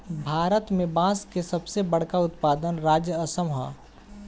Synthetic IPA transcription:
bʱaːɾət̪mẽbãːskesɐbsebəɽ̤kaʊt̪paːd̪ənɾaːd͡ʒjəəsəmɦã̰ː

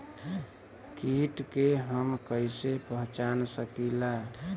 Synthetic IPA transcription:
kiʈkeɦəmkəɪsepəɦt͡ʃansəkila

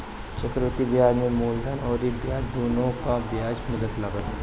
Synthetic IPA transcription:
t͡ʃəkɾʋət̪iʋjaːd͡ʒmẽmoːld̪ʱanɔːɾibjaːɾd̪oːnõkaʋjaːd͡ʒmɐd̪ət̪laːɡət̪ː

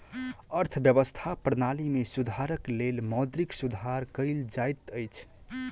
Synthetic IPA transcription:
əɾt̪ʰəbjəβəst̪ʰapɾnalimesud̪ʱaɾəklelmɔd̪ɾiksud̪ʱaɾkəɪld͡ʒajt̪əjt͡ʃʰ

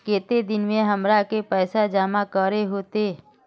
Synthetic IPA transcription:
keːt̪ed̪ɪnmẽɦəmɾakepɛːsad͡ʒaːmakəɾeɦoːt̪eː

